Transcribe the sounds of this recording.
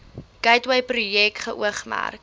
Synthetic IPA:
kɐjtwəjprujɛk̚tχəʔuəχmæ̰rk

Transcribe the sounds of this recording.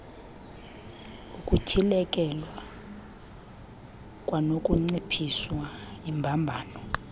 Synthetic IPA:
ukʼucʰilɛkʼɛlwa | kʼwanokʼuŋ͡ǀipʰiswaimbʱambʱaːnɔ

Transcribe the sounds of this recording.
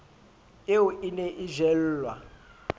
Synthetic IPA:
euʔinɛʔiʒɛl̩ːlwa̰

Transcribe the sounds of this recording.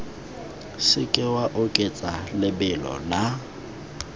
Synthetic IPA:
sɪkʼɪwaʔʊkʼet͡sʼalɪbɪlɔ̰na

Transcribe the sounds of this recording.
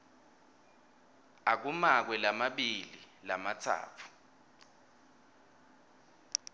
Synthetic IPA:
ak̬umak̬wɛlamaɓililamatʰa̰ːtʰu̥

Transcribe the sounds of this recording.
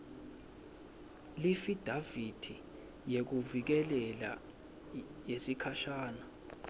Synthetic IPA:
lifid̥ʱavid̥ʰʱi | jek̬uvik̬ɛlɛla̰ | jesikʰaʃaːna

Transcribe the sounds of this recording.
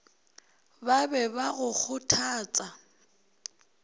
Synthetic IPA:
babɛbaɣʊk͡xʰʊtʰaːt͡sʼa

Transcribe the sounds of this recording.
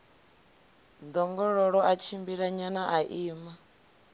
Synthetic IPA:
d̪ɔŋɡɔɺɔɺɔʔat͡ʃʰimbiɺaɲanaʔaʔiːma

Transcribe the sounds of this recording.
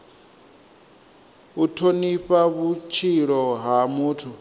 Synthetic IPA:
utʰoniɸaβut͡ʃʰiɺɔɦamuːtʰu

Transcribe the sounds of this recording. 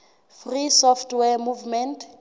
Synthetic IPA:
frisɔftʰwɛmuvmɛntʰ

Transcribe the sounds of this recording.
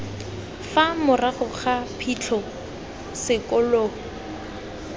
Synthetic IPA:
famʊraχʊχapʰit͡ɬʰɔ | sɪkʼʊloː

